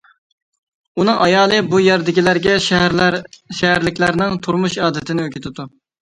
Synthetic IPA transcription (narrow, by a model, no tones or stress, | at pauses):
unɨŋɑjɑːlˠɨbujɛɾd̪ɪkʲilæɾɡʲɛʃ | ʃɛɦæɾlɪkʲlæɾnɪŋt̪ʰuɾmuʃɑːd̪ɪt̪ʰɪnɪøkʲʰɪt̪ʰɪd̪u